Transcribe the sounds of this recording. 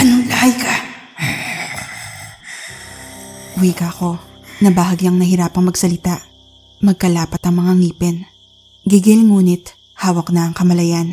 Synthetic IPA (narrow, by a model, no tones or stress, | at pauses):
ʔɐnolajka | wiːkɐko̞ | nɐbaɦɐɡjɐŋnɐhɪɾaːpɐŋmɐɡsɐlɪt̪aʔ | mɐɡ̚kɐlaːpɐt̪ɐŋmɐŋaŋiːpɛn | ɡɪɡɪlŋuːnɪt̪ | haːwɐknɐɐŋkɐmɐlɐjan